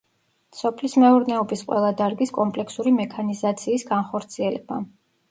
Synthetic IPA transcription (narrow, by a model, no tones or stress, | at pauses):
sɔpʰlismɛuɾnɛɔbisqʼwɛ̰lˠad̪aɾɡiskʼɔmpʼlɛkʰsuɾimɛkʰanizat̪sʰiːsɡanχɔɾt̪sʰiɛlɛba